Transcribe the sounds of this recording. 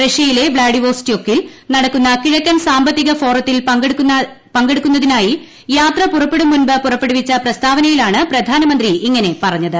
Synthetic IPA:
reʂɐjile̞bɭaːɖiʋo̞ːsi̥tːio̞kːil | nɐɽɐkːunːɐkiɻɐkʲːɐmsaːmbɐt̪ːiɣɐfo̞ːrɐt̪ːilpɐɡɽkː | pɐŋɡeɽukːunːɐðinaːji | jaːt̪rɐpurɐpːe̞ɽumːunbɨpurɐpːeɽuʋit͡ɕːɐprɐst̪ʰaːʋɐnɐjilaːɳɨprɐd̪ʱaːnɐmɐnd̪riiŋːɐne̞pɐrɐɲːɐðɨ

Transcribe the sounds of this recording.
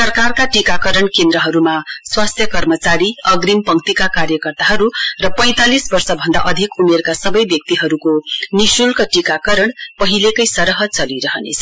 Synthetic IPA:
sʌrkarkaʈikakʌɾʌɳkend̪ɾʌɦʌɾumaswast̪ʰjʌkʌrmʌt͡saɾiʌɡɾimpʌŋkt̪ikakaɾjʌkʌrt̪aɦʌɾurʌpʌj̃t̪alisbʌrsʌbʱʌnd̪a̰ʔʌd̪ʱikumerkasʌbʌjbjʌk̚t̪iɦʌɾukonisulkʌʈikakʌɾʌɳpʌɦilekʌjsʌɾʌɦʌt͡sʌliɾʌɦʌnḛt͡sʰʌ

